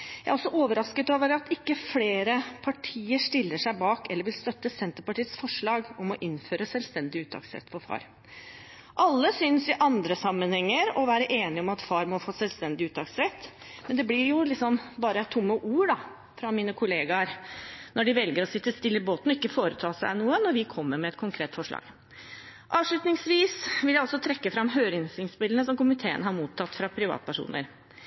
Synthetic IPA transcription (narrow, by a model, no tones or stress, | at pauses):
jæɪæɾɔsːɔʔoːʋəɾɑskət̪ɑːʋəɾɑt̪ɪkːəfleːɾəpʰɑʈʰiːəʂʈ̪ɪlːəʂæɪbɑːkɛlːəɾʋɪlst̪œt̪ːəsɛnt̪əɾpɑʈiːət̪sfɔʂɭɑːɡɔmɔʔɪnføːɾəsœlst̪ɛnd̪ɪʉːt̪ʰːɑ̰ːksɾɛ̰t̪ːfɔfɑ̰ːɾ | ʔɑlːəsʏnsɪʔɑnd̪ɾəsɑmːənhɛŋːəɾɔʋæːɾəʔeːnɪɔmɑt̪fɑːɾmɔfoːsɛlst̪ɛnd̪ɪʉːt̪ʰːɑksɾɛt̪ː | mɛnd̪ɛblɪɾjʊlɪksɔmbɑːɾət̪ʰʊmːəʔuːɖɑ | fɾɑmiːnəkʰʊleːɡɑɾnɔɖɪʋɛlɡəɾɔsɪt̪ːəst̪ɪlːəɪboːt̪nɔɪkːəfoːɾət̪ʰɑːsæ̰ɪnuːənɔɾʋɪkʰɔmːəɾmɛɛt̪kʰʊŋkʰɾeːt̪fɔʂɭɑ̰ːɡ̥ | ʔɑːʋʂɭʉt̪nɪŋsʋiːsʋɪljæɪɔsːɔt̪ʰɾɛkːəfɾɑmːɦøːɾɪnsɪŋspɪlənəsɔmkʊmɪt̪ʰeːə̰nəhɑɾmuːt̪ʰːɑt̪ːfɾɑpʰɾɪʋɑ̰ːt̪pʰæʂṵːnə̰ɾ